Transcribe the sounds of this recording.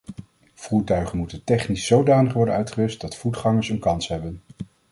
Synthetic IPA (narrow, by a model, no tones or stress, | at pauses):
v̥uːɹtœɥχənmutəntɛχnisːowdaːnəχʋɔɹdənœɥtχəʋʏst̚dɑtfutχɑŋəɹsənkɑnsɦɛbən